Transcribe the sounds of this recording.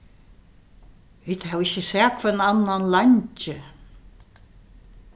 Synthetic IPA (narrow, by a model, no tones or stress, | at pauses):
viːd̪havɪçɪsɛːkʰvɛnanːanlaɲt͡ʃɪ